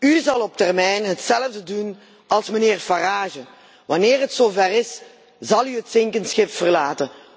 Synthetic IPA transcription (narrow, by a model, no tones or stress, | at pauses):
yzɑlˠɔp̚tɛrmɛjnɦətsɛləvdədun | ɑlˠsmənɪːrfaraːʒə | ʋɑnɪːrɦətsoːvɛrɪs | zɑlˠyɦətsɪŋkənsxɪpfərlaːtən